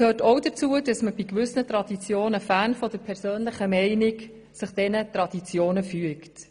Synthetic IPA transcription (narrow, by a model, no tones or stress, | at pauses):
kʰøːtɔwdət͡suəd̥ɑsməb̥ikʋʏsnətɾɑd̥it͡sjoːnəfæːnfɔd̥əpʰɛɾsøːnləχəmɛɪnɪk | sɪχd̥ɛnət̪rɑd̥it͡sjoːnəfyəkt